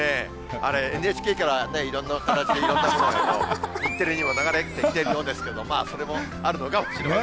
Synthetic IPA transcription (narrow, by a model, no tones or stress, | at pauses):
e̞ | a̰ɾe̞enɯ̟et͡ɕi̥kʲe̞ːkaɾane̞iɾõ̞nːakat̪at͡ɕid̪e̞iɾõ̞nːamod̪aked̪o̞̰it̪ːe̞ɾɯ̟ɲ̟imo̞naɡaɾet̪ːeit̪e̞ɾɯ̟jo̞ːnd̪esɨ̥keed̪omaːso̞ɾe̞mo̞ | aɾɯ̟no̞kamoɕiɾ